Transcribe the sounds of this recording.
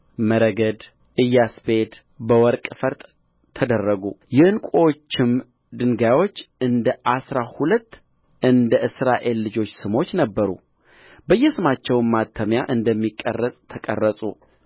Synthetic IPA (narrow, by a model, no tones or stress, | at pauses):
məɾəɡəd̪ | ʔɨjːasbed̪ | bəwɔɾkʼfəɾt̪ʼːʰ | əd̪ərːəɡujɛɨnkʷʼot͡ʃːɪm | d̪ɨŋɡajwo̞t͡ʃːɨnd̪əʔasɾahulət̪ː | ʔɨnd̪əʔɨsɾaʔe̞lːɨd͡ʒo̞t͡ʃːsɨmo̞t͡ʃːnəbːəɾṵ | bəjːɛsɨmat͡ʃːɛwnmat̪ʰːəmjaʔɨnd̪əmːikʼːə̰rːəsʼt̪ʰəkʼə̰rːəsʼṵ